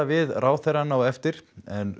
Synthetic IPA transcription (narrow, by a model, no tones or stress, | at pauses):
avɪðraːwθejɾanaːwɛft̪ɪɾ̥ɛn